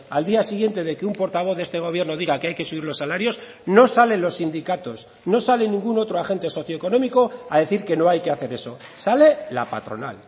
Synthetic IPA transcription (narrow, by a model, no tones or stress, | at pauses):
ald̪iasiɣ̞je̞nt̪e̞ð̞e̞keumpo̞ɾt̪aβ̞o̞θðe̞st̪e̞ɣ̞o̞β̞je̞ɾno̞ð̞iɣakeajke̞suβiɾlo̞sːalaɾjo̞s | no̞sale̞nlo̞sːind̪ikat̪o̞s | no̞sale̞nĩŋɡuno̞t̪ɾoaxe̞nt̪e̞so̞θjo̞eko̞nõ̞miko̞aðe̞θiɾke̞no̞ajke̞aθe̞ɾe̞so̞ | sale̞lapa̰t̪ɾo̞̰na̰l